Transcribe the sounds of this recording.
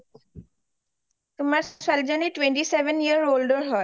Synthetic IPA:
t̪ʊmaɾssɛld͡ʒaniʈwẽɳʈiseʋəniəɾoːlɖəɾɦɔ

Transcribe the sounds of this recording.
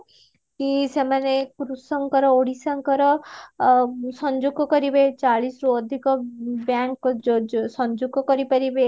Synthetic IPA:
kisemanekɾusɔŋkɔɾɔoɽisaŋkɔɾɔ | sɔnd͡ʒuɡɔkɔɾibet͡ʃaɭisɔɾuɔd̪ʱikɔbjaŋk | sɔnd͡ʒuɡɔkɔɾipaɾibe

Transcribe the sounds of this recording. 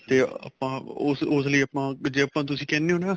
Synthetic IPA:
t̪eːa̰pãːʊsʊsləiːəpãːd͡ʒeːəpãːt̪̬ʊsĩːkɛːneːoːnaː

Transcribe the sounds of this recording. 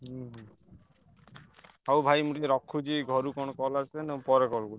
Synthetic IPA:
ɦiɦ | ɦawbʱajmuʈieɾɔkʰːud͡ʒiɡʱɔɾukɔnkɔlasʰlenẽpɔɾekɔlɡuli

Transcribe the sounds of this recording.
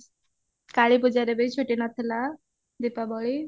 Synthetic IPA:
kaɭipud͡ʒaɾebejt͡ʃʰoʈinat̪ʰela | d̪ipabɔɭi

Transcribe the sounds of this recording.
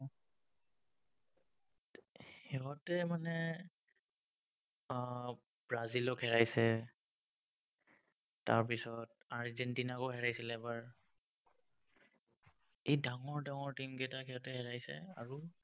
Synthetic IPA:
ɛɦɔtɛmanɛ | bɹazilɔkɦɛɹajsɛ | ta̰ɹp̬isɔt | aɹzɛntinakoɦɛɹajsilɛbaɹ | ejdaŋɔɹdaŋɔɹtimkɛtakɛɦɔtɛɦɛɹajsɛ̰a̰ɹu

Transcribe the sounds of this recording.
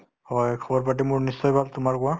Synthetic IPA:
hɔjkʰɔbɔɹpat̬imʊɹnisːɔjbʱaltʊmaɹkʊwa

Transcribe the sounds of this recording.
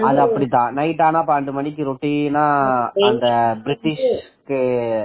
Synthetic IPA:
ɐðɯɐpːɐɽit̪ːãːnɐɪʈːaːnãːpaːɳɖɯmɐɳɪkːɯɾoʈːinaːnd̪ɐbɾɪʈːɪʂkɯ

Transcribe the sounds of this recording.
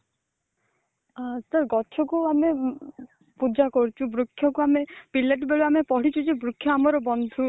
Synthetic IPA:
sɔɾɡɔt͡ʃʰɔkuame | pud͡ʒakɔɾt͡ʃʰubɾukʰːjɔkuamepilːeʈbeɭuamepɔɽ̤it͡ʃʰud͡ʒebɾukʰjɔamɔɾɔbɔnd̪ʱu

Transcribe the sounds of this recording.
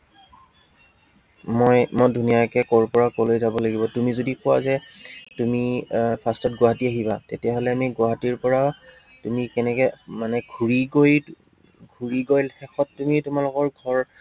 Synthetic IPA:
mojmɔjdʱunijakɛkɔɹpɔɹakolojzabɔlaɡibɔtumizodikʊwazɛtumipʰastɔtɡwaɦatiaɦibatetijaɦɔlɛamiɡʊaɦatiɹpɔɹa | tumikɛnɛkɛmanɛɡʱuɹiɡoj | ɡʱuɹiɡojlxɛxɔtːumitʊmalʊkɔɹɡʱɔɹ

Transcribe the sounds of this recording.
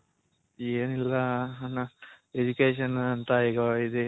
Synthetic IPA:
eːnilːɐnɐ | ed͡ʒukeːʃɐnɐnt̪ɐiɡɐid̪e

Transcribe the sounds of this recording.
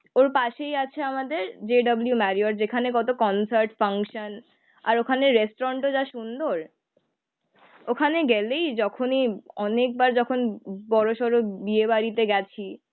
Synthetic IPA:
oɾpaʃejat͡ɕʰeamad̪eɾd͡ʑeɖɔbuljumɛɾioɾd͡ʑekʰanekɔt̪okɔnsaɾʈfaŋkʃan | a̰ɾokʰaneːesʈoɾaɳʈod͡ʑaʃund̪oɾ | okʰaneɡɛlejd͡ʑɔkʰoniɔnek̚baɾd͡ʑɔkʰonbɔɾoʃɔɾobiebaɾit̪eɡɛt͡ɕʰi

